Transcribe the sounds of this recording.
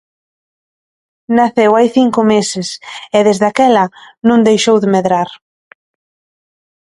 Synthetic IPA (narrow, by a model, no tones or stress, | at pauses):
naθewajθiŋkʊmesɪseðezðakɛlɐnũŋd̪ejʃowðemeðɾaɾ